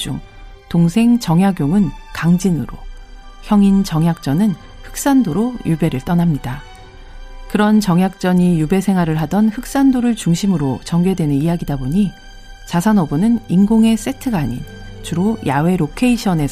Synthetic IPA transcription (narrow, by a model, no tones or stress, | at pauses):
d͡ʑṵŋ | toŋsʰe̞ŋt͡ɕʌŋjaɡjoŋɯnkaŋd͡ʑinɯɾo̰çjʌŋint͡ɕʌŋjak̚t͡ɕ͈ʌnɯn | hɯ̥k̚s͈andoɾojube̞ɾɯɭt͈ʌnamɲida | kɯɾʌnt͡ɕʌŋjak̚t͡ɕ͈ʌɲijube̞sʰe̞ŋɦwaɾɯɭɦadʌnɸɯk̚s͈andoɾɯɭt͡ɕuŋɕʰimɯɾot͡ɕʌŋɡje̞dwe̞nɯnijaɡidaboɲi | t͡ɕasʰʌnʌɡonɯninɡoŋe̞s͈e̞tʰɯɡaːɲḭn | t͡ɕuɾojawe̞ɾokʰe̞iɕʰʌne̞s